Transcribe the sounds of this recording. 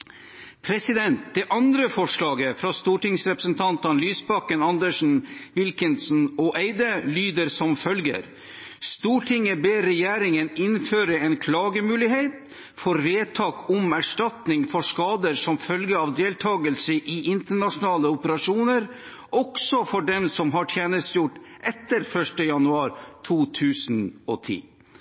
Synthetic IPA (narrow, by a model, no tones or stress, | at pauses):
pʰɾɛsɪd̪ɛnt̪̚d̪ɛʔɑnd̪ɾəfɔʂlɑːɡəfɾɑst̪uːʈɪŋsɾɛpɾə̥snt̪ʰɑnt̪ənlyːsbɑkənɑnd̪əʂn̩ʋɪlkɪnsn̩ɔʔeɪd̪əlyːd̪əɾsɔmfœlɡə̰ɾ | st̪uːʈʰɪŋəbeːɾɛjæːɾɪŋənɪnføːɾəɛnkʰlɑːɡəmʉːlɪheɪt̪ | fɔɾʋeːt̪ʰɑːkʰʊmæʂʈɑt̪nɪŋfɔʂkɑːd̪əɾsɔmfœlɡəɑʋd̪eːlt̪ʰɑːɡəlsəʔɪʔɪnt̪əɳɑʂʊnɑːləʊpəɾɑʂuːnəɾ | ɔksɔfɔɖɛmsɔmɦɑʈʰjeːnəst̪jʊʈːʔɛt̪ːəɾfœʂʈəjɑnʉɑːɾt̪ʰuːt̪ʰʉːsn̩ɔ̰t̪ʰḭː